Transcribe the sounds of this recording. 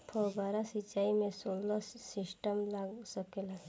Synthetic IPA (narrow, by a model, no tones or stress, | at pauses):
pʰɔːɡaːɾasit͡ʃaːimẽsoːlːasɪsʈəmlaːɡsəkela